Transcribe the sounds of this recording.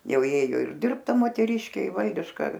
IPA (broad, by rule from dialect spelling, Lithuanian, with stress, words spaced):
ˈjɛʊ ˈjeːjoː ɪr ˈdʲɪrpt ˈtɐ moːtʲɛˈrʲɪʃʲkʲeː ɪ ˈʋɐlʲdʲɪʃkɐ